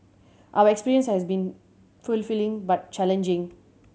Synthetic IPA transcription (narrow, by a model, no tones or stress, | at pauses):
ʔawəɛkspiːɹiə̃nshɛsbĩn | fulfilĩŋbat̚t͡ʃɛlɛ̃nd͡ʒĩŋ